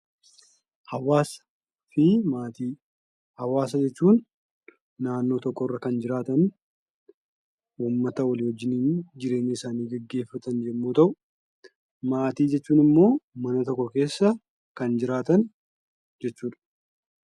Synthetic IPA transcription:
hɐwaːs | fɪmaːt̪iː | hɐwaːs̬ɐd͡ʒɛt͡ʃːuːnː | aːnːo̞ːt̪ɔkːɔrːɐkɐnd͡ʒɪɾaːt̪ɐn | uːmːɐt̪ɐwɐlɪːhɔd͡ʒːɪniːnd͡ʒɪɾe̞ːɲːɐɪsaːniːɡɛɡːe̞ːfːɐt̪ɐnd͡ʒɛmːuːt̪ɐʔʊ | maːt̪iːd͡ʒɛt͡ʃːuːnɪmːo̞ːmɐnɐt̪ɔkːɔke̞ːsːɐ | kɐnd͡ʒɪɾaːt̪ɐn | d͡ʒɛt͡ʃːuːᶑɐ̥

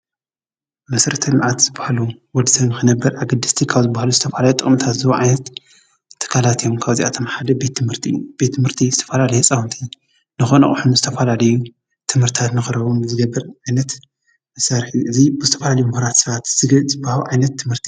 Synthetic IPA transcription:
mɐsɐɾɐt̪ʰɐlmʕat̪z̥ɨbḁhaluwɔd̪sɐβnɨxɨnɐbːɐɾʔaɡɐd̪ːɨst̪ʰikʰaβzɨbːahaluzɨt̪ʰɐfalajut̪ʼɨχʼmt̪ʰat̪zɨβoʕajnɐt̪ʰː | ɨ̥kʰːalat̪ijomkʰaβzḭʔa̰t̪ʰomħad̪ɐbet̪ːmhɨɾt̪ʰɨ̰jːub̥et̪ʰːɨmhɨɾt̪ʰizɨt̪ʰɐ̥fɐlalɐjesʼawunt̪ʰi | nɨxonɐ̰χʼħunuzɨt̪ʰɐfalalɐju | t̪ʰɨmhɨɾt̪ʰat̪nɨxɨɾɐβunzɨɡɐbːɐɾʕajnɐt̪ | ɨsɐɾħiʔɨzibɨzɨt̪ʰɐfɐlalɐjumɨhɾat̪sɐβat̪zɨzɨbːahaluʕajnɐt̪ʰːɨmhɨɾt̪ʰi̥

